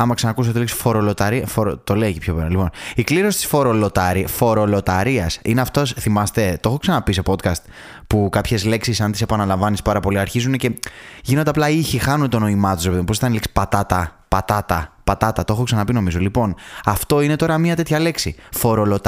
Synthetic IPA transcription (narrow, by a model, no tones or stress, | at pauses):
ɐmɐksɐnɐkus̬ɐt̪eliksfo̞ɾo̞lot̪ɐɾiɐfoɾot̪o̞leicipço̞peɾɐlipo̞nikliɾo̞sit̪i̥sfo̞ɾo̞lo̞t̪ɐɾifo̞ɾo̞lo̞t̪ɐɾiɐsineɐft̪osθimɐst̪e̞t̪o̞xo̞ksɐnɐpiso̞po̞d̪kɐst̪ | pukɐpçe̞zle̞ksisɐnt̪ise̞pɐnɐlɐɱvɐnispɐɾɐpo̞liɐɾçizunece̞ʝino̞t̪e̞ɐplɐiçixɐnunt̪o̞no̞imɐt̪u̥seðimpos̬it̪ɐnliksi̥pɐt̪ɐt̪ɐ | pɐt̪ɐt̪ɐpɐt̪ɐt̪ɐt̪o̞xoksɐnɐpino̞mizo̞lipo̞nɐft̪o̞ine̞t̪o̞ɾɐmɲɐt̪e̞t̪çɐle̞ksifo̞ɾo̞lot̪